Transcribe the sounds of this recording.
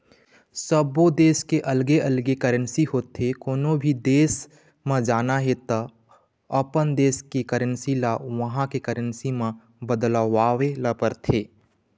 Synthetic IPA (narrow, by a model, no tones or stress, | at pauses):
səbʋod̪eːskeʔəlɡeʔəlɡekəɾənsiɦoːt̪ʰːekoːnõbʱid̪eːs | mẽd͡ʒaːnaɦet̪a | əpənd̪eːskikəɾənsilaʋɐɦãkekəɾənsimã | bəd̪laʋaːʋeləpəɾt̪ʰeː